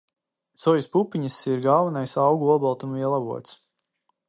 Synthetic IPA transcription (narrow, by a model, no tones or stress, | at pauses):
t̪sɔjuspupiɲisiɾɡaːvanajsawɡuɔbɔlˠt̪umiɛlˠabuɔt̪s